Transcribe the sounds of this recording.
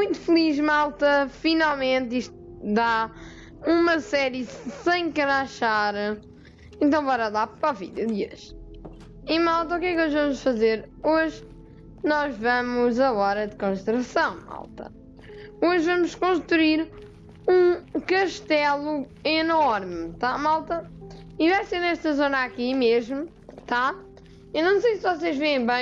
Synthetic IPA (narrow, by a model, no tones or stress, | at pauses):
mũj̃t̪u̥fɨlˠiʒmalˠt̪ɐfinalˠmẽnt̪iʃt̪ud̪a | umɐsɛɾjɨsẽj̃kɐɾaʃaɾ | ẽnt̪̬ɐ̃w̃bɔɾɐðˠapɾɔvḭðjuðiɐʃ | imalˠt̪̬ɐukɛkoʒvɐmuʃfɐzeɾoʒ | nɔʒvɐmuzɐɔɾɐd̪kõʃt̪ɾɐsɐ̃w̃ma̰lˠt̪ɐ̰ | oʒvɐmʊʃkõʃt̪ɾuiɾ | ũkɐʃt̪ɛlˠuinɔɾmt̪amalˠt̪ɐ | ivajseɾnɛʃt̪ɐzonakimeʒmu | t̪a | enɐ̃w̃sejsvɔseʒvẽẽj̃bɐ̃